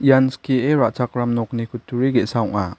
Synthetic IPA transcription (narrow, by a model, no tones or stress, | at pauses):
janskieɾaʔt͡ʃakɾamnɔknikʰutʰːuɾiɡesaɔŋa